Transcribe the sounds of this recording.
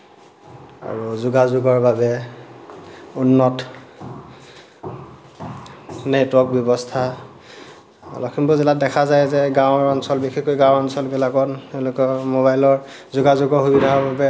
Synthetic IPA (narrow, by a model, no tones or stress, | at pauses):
a̰ɹuzuɡazʊɡɔɹbabɛ | unːɔt | nɛtwɔk̚bjɔbɔstʰa | ɔ̰lɔkʰimbʊzɛladɛkʰazajzɛɡãw̃ɹɔnsɔlbixʰikojɡãwɔnsɔlbilaɡɔntɛʊlʊkɔmoβajlɔɹ | zuɡazʊɡɔɦubinaɔbabɛ